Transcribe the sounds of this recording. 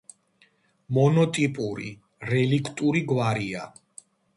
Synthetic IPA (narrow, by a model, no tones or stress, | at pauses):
mɔnɔt̪ʼipʼuɾḭ | ɾɛlikʼʰt̪ʼuɾiɡwaɾia